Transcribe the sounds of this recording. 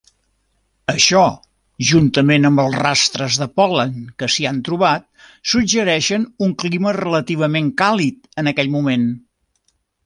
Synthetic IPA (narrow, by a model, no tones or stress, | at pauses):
əʃɔ | ʒunt̪əmenəmbəlˠzrast̪ɾəzðəpɔləŋkəsiant̪ɾuβ̞at̪̚sud͡ʒəɾɛʃənuŋklimərələt̪iβ̞əmeŋkalit̪ənəkɛʎmumen